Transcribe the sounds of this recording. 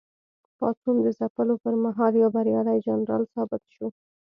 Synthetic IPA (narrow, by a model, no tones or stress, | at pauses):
pɑt̪und̪əzapəlopəɾmaɦɑljabaɾjɑlajd͡ʒanɾɑ̰lsɑbɪt̪ʃo